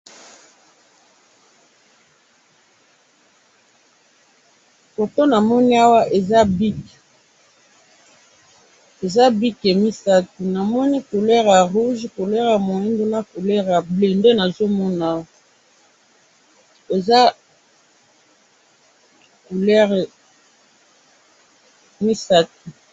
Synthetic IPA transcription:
fo˨to˦na˨mɔ˦ni˦a˦wa˦ʔe˨za˦bi˦k | e˨za˦bi˦ke˨mi˦sa˦tu˨na˨mɔ˦ni˦ku˨lɛ˦ʁja˨ʁu˦ʒku˨lɛ˦ʁja˨mo˨i˦ndo˦na˦ku˨lɛ˦ʁa˨ble˨nde˦na˨zo˦mɔ˦na˨ | e˨za˦ | ku˨lɛ˦ʁ | mi˦sa˦t̚u˨

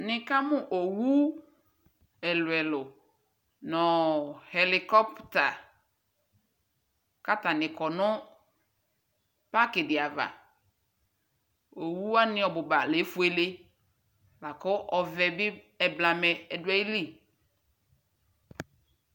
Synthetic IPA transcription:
nɪ̃˨ka˦mʊ̃˦ʔo˨wu˦ | ɛ˨lʊ˨ɛ˨lʊ˨ | nɔ˨hɛ˨lɪ˨kɔ˦pta˨ | ka˦ta˨nɪ̃˨kɔ˨nʊ̃˦ | pa˦kɪ˨dɪ˨a˨va̰˨ | o˨wu˦a˦nɪ̃˦ɔ˨bʊ˨ba˨le˨˦fu˦e˦le˦ | la˨kɔ˦ʔɔ˨vɛ˨bɪ˦ | ɛ˨bla˨mɛ˨ɛ˨dwɛ˦i˦li˦˨

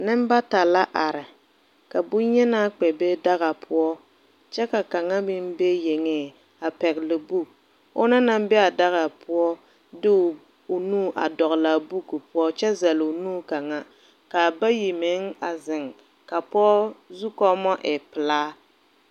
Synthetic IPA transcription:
nɨ˦m˦ba˦ta˨la˦ʔa˨ɾɪ˨ | ka˨bu˦ɲɛ˦na˦k͡pɛ˨be˦da˦ɣa˨pʰʊ˦ɔ˦ | t͡ʃɛ˦ka˨ka˨ŋa˦mɪ˦m˦be˦je˨ŋeː˦ | a˨pɛ˨klɪ˨bu˦˨k̚ | ʊ̰˦na˦na˦m˦bɛ˦a˨da˦ɣa˨pʰʊ˦ɔ˦ | dɪ˦˨ | ʊ˨nuː˦˨ʔa̰˨dɔ˨ɣla˨bu˦ku˨pʊ˦ɔ˦t͡ʃɛ˦zɛ˨lʊ˨nuː˦ka˨ŋa˦ | ka˨ba˦ji˨me˨˦ŋa˨zɪ˨ŋ | ka˨pɔ˦zu˦kɔ˦mɔ˦ʔɪ˨pɪ˨laː˦

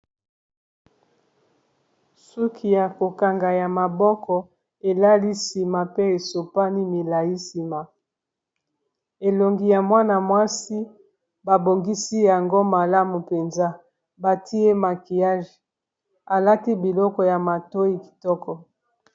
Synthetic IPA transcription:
su˦kʰi˨ja˨ko˨ka˨ŋɡa˨ja˨ma˨bɔ˦kɔ˨ | e˨la˦li˦si˨ma˨pe˦e˨so˨pa˦ni˦mi˨la˨ji˦si˨ma˨ | e˨lo˨ŋɡi˨ja˨mwa˦na˨mwa˦si˦ | ba˨bo˨ŋɡi˦si˦ja˨ŋɡo˦ma˨la˦mu˨pe˨nza˦ | ba˨tʰi˦e˦ma˨ki˨ja˦ʒe˨ | a˨la˦ti˦bi˨lɔ˦kɔ˨ja˨ma˨to˦i˦ki̥˨tɔ˦kɔ˨

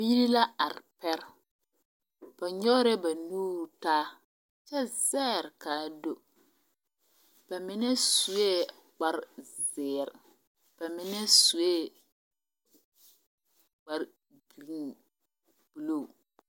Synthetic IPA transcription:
bi˦ɾi˦la˦a˨ɾpɛ˦ɾ | b̥a˨ɲɔ˦ɾɛ˦ba˨nuː˦ɾtaː˦ | t͡ʃɛ˦z̥ɛː˦˨ɾkaː˨˦˨do˦ | b̥a˨mɪ˨˦nɛ˦su˨e˦ | k͡pa˦ɾzɪː˨ɾ | b̥a˨mɪ˨nɛ˦su˨e˦ | ɡ͡ba˨ɾ | b̥i˨li˦ | b̥u˨lo˨

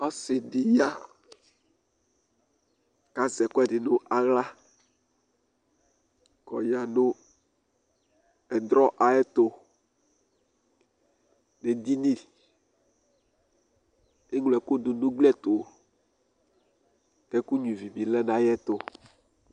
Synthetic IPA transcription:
ɔ˦se˨ɖi˨ja˦ | ka˦zɛ˨kɔ˦ɛ˦˨ɖi˨nũ˦ʔa˨ɣla˦ | kɔ̰˨ja˨nõ˦ | ɛ˨d̪ɾɔ˦ʔa˨jɛ˦t̪o˨ | ne˨d̪i˦ni˦˨l | e˦ŋlɛ˨ko˦do˨nũ˦ɡ͡blɛ˦t̪o˨ | t̪ɛ˦ku˦ɲũ˨vi˨bi˨lɛ˦nã˨jɛ˦t̪o˨

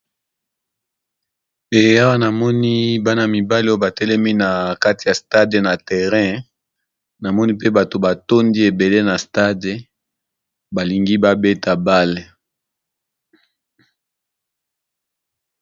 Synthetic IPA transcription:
e˨ja˦wa˦na˨mɔ˦ni˦ba˦n˨a˨mi˨ba˦li˦o˦o˦ba˨tɛ˦lɛ˦mi˦na˨ka˦ti˨ja˨sta˦de˨na˨tɛ˨ʁɛ̃˦ | na˨mɔ˦ni˦pe˦ba˨to˨ba˨to˦ndi˦e˨be˨le˦na˨sta˦de˨ | ba˨li˨ŋɡi˦ba˦be˦ta˨ba˦le˨

